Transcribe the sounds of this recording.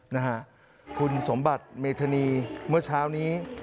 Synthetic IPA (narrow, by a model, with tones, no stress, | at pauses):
na˦˥kʰa˦˥ʔ | kʰu˧nso˩˦mba˨˩t̪̚meː˧t̪ʰa˧niː˧mɯ˥˩ɐt͡ɕʰaː˦˥wniː˦˥